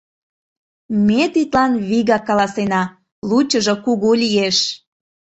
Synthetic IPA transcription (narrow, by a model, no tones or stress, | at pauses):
met̪it̪lɑnβiɣɑkɑlɑsenɑ | lut͡ɕəʒokuɣulʲijeʃ